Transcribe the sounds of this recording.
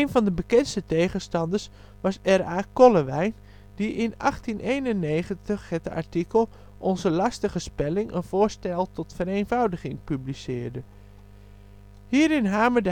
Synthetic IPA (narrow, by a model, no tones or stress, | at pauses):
ejnvɑndəbəkɛnstətejχənstɑndəɹs | ʋɑsɛraːkɔləʋɛjn | d̥iʔɪnɑχtinʔejnənːeːχəntəχhɛtəa̰ɹtikəlˠ | ʔɔnzəlɑstəχəspɛlɪŋə̰nv̥ʊːɹstɛlˠtɔtfəɾeːnvɑwdəɣɪŋpyblisɪːɹdə | hiːɾɪnɦaːmədə